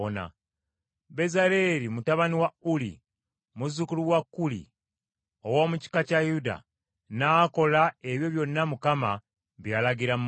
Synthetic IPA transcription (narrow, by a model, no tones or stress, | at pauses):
na̰ | be̞zaɾe̞ɾimutaβaniwaulḭ | muzukuluwakːulḭ | owoːmuci̥kacajuda̰ | naːko̞lae̞βjo̞βjo̞nːamukama | βjaːlaɡiɾam